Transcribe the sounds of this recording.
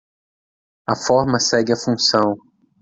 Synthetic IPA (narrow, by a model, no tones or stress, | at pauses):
ɐfɔɾmɐsɛɡɪɐfũsɐ̃w̃